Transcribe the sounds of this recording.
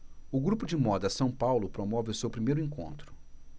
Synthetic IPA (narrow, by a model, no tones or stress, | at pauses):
ʊɡɾupʊd͡ʒɪmɔd̪ɐsɐ̃w̃pawlʊpɾomɔvɪʊsewpɾimejɾʊẽŋkõ̰nt̪ɾʊ̥